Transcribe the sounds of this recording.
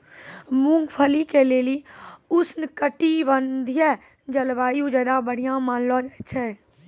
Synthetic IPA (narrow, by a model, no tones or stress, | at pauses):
mũŋɡpʰəlikeleːliʊsnkəʈiʋənd̪ʱjə | d͡ʒəlbaːjũd͡ʒəːd̪abəɽ̤ijãmaːnlɔd͡ʒat̪t͡ʃʰɛː